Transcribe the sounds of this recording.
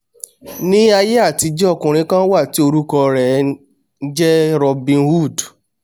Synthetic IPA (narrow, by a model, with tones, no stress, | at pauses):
nĩ˦a˧je˦a˦˨ti˨˧d͡ʒɛ˦ɔ˦˨kũ˨ɾ̃ĩ˦kã˦wa˦˨ti˨˦o˧ɾu˦kɔ˧ɾɛ˨˦ | d͡ʒɛ˦ɾɔ˧bĩ˧nwu˦˨d